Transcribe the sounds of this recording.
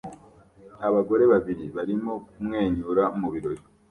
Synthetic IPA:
aβaɡo̞ɾe̞βaβiɾiβaɾimo̞kumŋe̞ːɲuɾamuβiɾo̞ɾi

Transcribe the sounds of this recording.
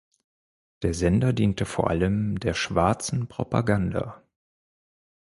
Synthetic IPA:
d̥eːɐzɛndɐdiːntəfoːɐʔa̰ləmdeːɐʃv̥aɐt͡sn̩pʁ̥opa̰ɡanda̰

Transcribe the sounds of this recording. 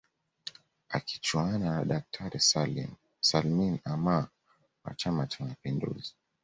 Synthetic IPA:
aki̥t͡ʃuananaɗak̚tʰaɾɛsm | salminama | wa̰t͡ʃamat͡ʃamapindṵzi

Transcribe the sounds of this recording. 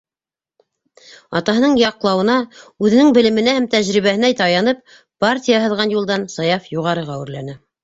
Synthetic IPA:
ɑt̪ɑɦɤ̆nɤɴjɑqlˠɑwɤ̆nɑʉðɘ̆nɘŋbɘ̆lɘ̆mɘ̆næhæmt̪æʑɾiβæhɘ̆næjt̪ɑjɑnɤp̚ | partʲijɑɦɤ̆ðʁɑnjulˠd̪ɑnsɑjɑfjuʁɑɾɤʁæwɘ̆ɾlænɘ

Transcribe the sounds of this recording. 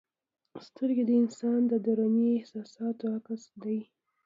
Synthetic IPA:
st̪əɾɡed̪əɪnsɑnd̪əd̪aɾaniɪhsɑsɑt̪oakasd̪aj

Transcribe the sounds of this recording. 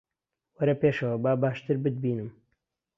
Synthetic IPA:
wɐɾɐpeʃɐwɐbaːbaːʃt̪ɨɾbɨd̪̚biːnɨm

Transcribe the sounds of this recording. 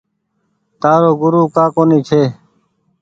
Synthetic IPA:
t̪aːɾoːɡʊɾuːkaːkoːniːt͡ʃʰeː

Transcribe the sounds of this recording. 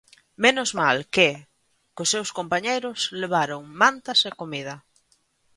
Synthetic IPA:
menʊzmalk | kʊsːewskompaɲejɾʊsleβaɾoŋmãnt̪ɐsekomið̞ɐ

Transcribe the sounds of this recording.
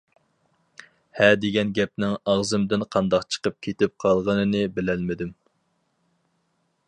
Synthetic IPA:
hɛd̪eɡʲɛnɡʲɛp̚nɪŋɑʁzɨmd̪ɪnqʰɑnd̪ɑqt͡ʃʰə̥qəp̚kʲʰet̪ɪp̚qʰɑlˠʁənɨnɨbɪlɛlmɪd̪ɪm

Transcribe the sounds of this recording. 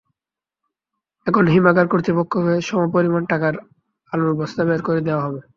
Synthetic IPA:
ɛkʰonɦimakaɾkoɾt̪ipokʰːoɦoeʃɔmaopoɾimanʈakaɾ | aluɾbɔst̪abeaɾkoɾed̪eoaɦɔbe

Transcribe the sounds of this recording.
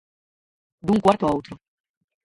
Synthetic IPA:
d̪uŋkwaɾt̪oawt̪ɾo

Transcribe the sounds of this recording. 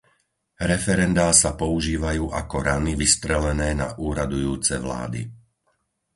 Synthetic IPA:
ɾɛfɛɾɛnd̪aːsapɔuʒiːʋajuːʔakɔɾaniʋist̪ɾɛlɛnɛːna̰ʔuːɾad̪ujuːt͡sɛʋla̰ːd̪ḭ

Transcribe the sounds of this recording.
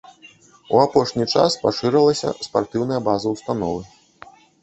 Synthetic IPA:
uapɔʂnʲit͡ʂa̰spaʂɨɾɛlˠɐsʲɐ̰spart̪ɨwnɐjɐbazɐwst̪an̪ɔvɨ

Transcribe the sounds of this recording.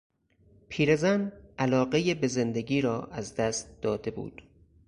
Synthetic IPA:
pʰiːɾezænʔælɒːɢe̞jebe̞zend̪eɡiːɾɒːʔæzd̪æst̪̚d̪̥ɒːd̪e̞bṵːd̪̥

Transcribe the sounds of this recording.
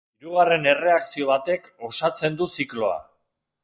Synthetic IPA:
iɾuɣ̞are̞ne̞re̞aksio̞β̞at̪e̞ko̞sat͡se̞nd̪usiklo̞a̰

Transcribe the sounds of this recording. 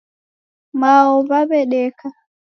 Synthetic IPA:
maɔβaβɛɗɛkʰa

